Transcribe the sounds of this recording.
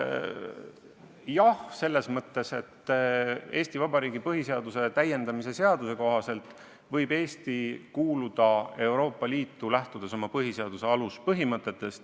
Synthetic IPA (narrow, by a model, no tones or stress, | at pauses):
jɑhse̞lːe̞smɤt̪ːˑe̞se̞t̪ː | e̞ːst̪ivɑbɑɾiːɡ̥ipɤɦise̞ɑd̪̥use̞t̪æje̞nd̪ɑmise̞se̞ɑd̪̥use̞ko̞ɦɑse̞lt̪ˑ | vɤjbeːst̪ikuːlud̪̥ɑe̞wɾo̞ːpːɑliːt̪ːulæht̪ud̪̥esomɑpɤɦise̞ɑd̪use̞ɑluspɤɦimɤt̪ːˑe̞t̪ːˑe̞st̪